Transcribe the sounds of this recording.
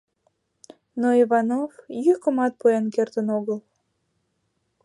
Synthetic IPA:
noiβɑnovjykəmɑt̪̚puenkert̪ənoɣəl

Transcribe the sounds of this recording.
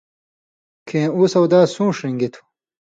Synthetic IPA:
kʰẽːuːsɐwd̪aːsũːʂiŋɡit̪ʰu̥

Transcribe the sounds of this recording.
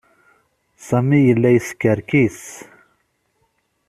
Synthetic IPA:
sɐmijlɐjskɐɾkʰis

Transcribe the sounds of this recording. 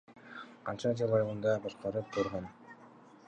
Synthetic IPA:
qʰɑnt͡ʃɑd͡ʒelˠɑjɯlˠɯnd̪ɑbɑʃqɑɾɯp̚q̪ʰuɾʁon

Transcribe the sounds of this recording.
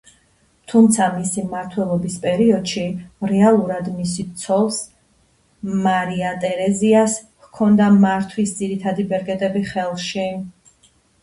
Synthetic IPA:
t̪ʰumt̪sʰamisimaɾt̪ʰwɛlˠɔbispʼɛɾiɔd̪̥ʃiɾɛalˠuɾad̪misit̪sʰɔlˠs | maɾiat̪ʼɛɾɛzias | hkʰɔnd̪amaɾt̪ʰwisd̪ziɾit̪ʰad̪ibɛɾɡɛt̪ʼɛbiχɛlˠʃi

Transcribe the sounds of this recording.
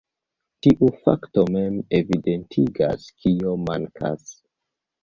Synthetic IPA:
tiʔufa̰kto̞memevide̞ntʰiɡa̰skʰio̞maŋkʰa̰s

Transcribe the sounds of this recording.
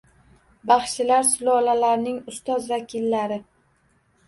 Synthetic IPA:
bɑχʃɪlaɾsʊlɒlalaɾnɪŋʊst̪ɒzvakʲʰilːaɾɪ

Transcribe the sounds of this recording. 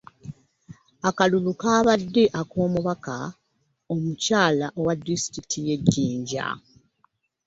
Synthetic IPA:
akaluβukaːβadːe̞ʔako̞ːmuβaka | omucaːlaʔowadːisi̥tɾitʰije̞ɟːiːɲɟa̰

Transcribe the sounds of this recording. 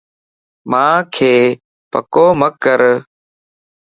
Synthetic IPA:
mãːkʰeː | pə̰koːməkːəɾ

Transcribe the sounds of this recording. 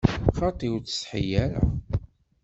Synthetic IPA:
χɑt̪ˤiwt͡sə̥sħḭjæɾæ̰

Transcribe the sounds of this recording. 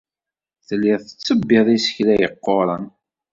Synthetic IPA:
θəlːɪðθə̥t͡sːəbːeðˤisə̥çlæjəqːoɾˤɑn

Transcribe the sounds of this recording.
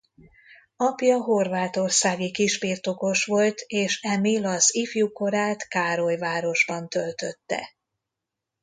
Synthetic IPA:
ɒpjɒɦo̞rvaːt̪o̞rsaːɡikiʒbirt̪o̞ko̞ʃʋo̞lt̪ʰeːʃɛmilɒzifjuko̞ɾaːt̪kaːɾojvaːɾo̞ʒbɒnt̪ølt̪øt̪ːɛ̰

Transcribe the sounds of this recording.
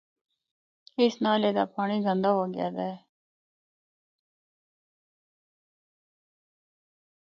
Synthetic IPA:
ɪsnaːleːd̪a̰ːpaːɳ̃iːɡə̃nd̪aːɦoːɡɪja̰ːd̪a

